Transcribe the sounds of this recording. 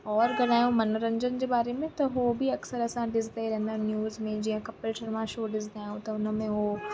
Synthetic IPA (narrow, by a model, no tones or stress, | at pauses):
ɔːɾɡɐlaːjõmɐnoɾɐ̃ɲd͡ʑənd͡ʑebaːɾemẽt̪ɐɦobʱiɐksəɾɐsãɖɪzk̪ejɾɛ̃ɦnd̪anjuːzmẽd͡ʑiːɦə̃kɐpəlʃɐɾmãʃoːɖɪz̬d̪aːjõt̪ɐʊnmẽɦo